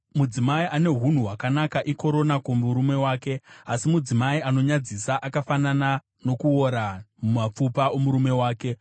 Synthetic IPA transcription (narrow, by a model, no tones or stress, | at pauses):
mud͡zimaiʔane̞ɦun̤uɦwakanakaʔiko̞ɾo̞nakomuɾume̞waːke̞asimud͡zimaiano̞ɲad͡zisaʔakafanana | no̞kuo̞ɾamumap͡fupaʔomuɾume̞waːke̞